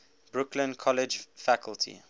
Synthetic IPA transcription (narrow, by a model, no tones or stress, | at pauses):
b̥ɹʊklə̃nkʰɔlɪd͡ʒfakʰəltʰḭ